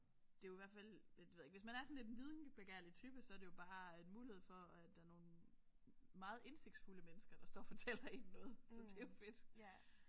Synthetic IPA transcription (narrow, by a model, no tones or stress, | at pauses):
d̥e̝jo̝iʋæɐfæl̰d̥eʋe̝ðˠeɡ̥ʋesmænæɐsɒ̽nle̝dʋið̞ˠnb̥eɡ̥æɐ̰lit͡sʰyːb̥əsɒ̽æɐɾ̥ejo̝b̥ɑ̈ːenmuːlihe̝ð̞̰ˠfɒ̽æd̥ɑ̈ɐno̝ːn | mɑ̈ːð̩ˠe̝nse̝ɡ̥d̥sfuləmenəsɡ̥ɐd̥ɑ̈sd̥ɒ̰ːfɒ̽t͡sʰel̰ɐennɔ̽ːð̩ˠsɒ̽d̥e̝jo̝fe̝d̥